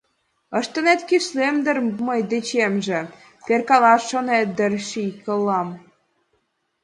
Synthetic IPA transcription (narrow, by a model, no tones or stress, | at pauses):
əʃt̪ə̆net̪kiʃlemd̪ə̆rməjd̪et͡ɕemʒĕ | perkɑlɑʃːonet̪̚d̪ərʃikəlːɑm